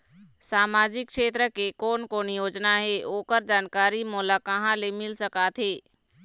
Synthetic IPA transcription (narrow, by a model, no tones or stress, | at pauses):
saːmaːd͡ʒɪkʃeːt̪ɾəkekoːnkoːnjoːd͡ʒnaɦeʔoːkəɾd͡ʒaːnkaːɾimɔːlakəɦãlemɪlsəkaːt̪ɦeː